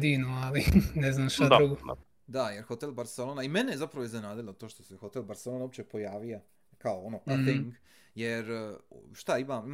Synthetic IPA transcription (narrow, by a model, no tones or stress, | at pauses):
d̪iːnoalinɛznaːmʃt̪ad̪ɾuɡo | d̪ajeɾxo̞t̪elbaɾselonaimenejezapɾaʋoiznenaːd̪ilˠot̪oʃt̪osexo̞t̪elˠbaɾselonaopt͡ɕe̞po̞jaːʋia | kaoonoʔajθiŋŋk | jeɾʃt̪aimai